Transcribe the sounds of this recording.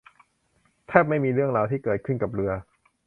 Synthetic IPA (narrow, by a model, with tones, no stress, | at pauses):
t̪ʰɛː˥˩p̚ma˥˩jmiː˧ɾɯ˥˩əŋɾaː˧wt̪ʰiː˥˩kɤː˨˩t̪̚kʰɯ˥˩nka˨˩p̚ɾɯ˧ɐ